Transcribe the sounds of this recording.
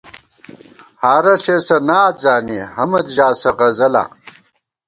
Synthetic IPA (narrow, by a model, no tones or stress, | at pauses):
haːɾɐʂesɐnaːt̪zaːnihɐmɐd̪ʑaːsɐʁɐzɐla̰ː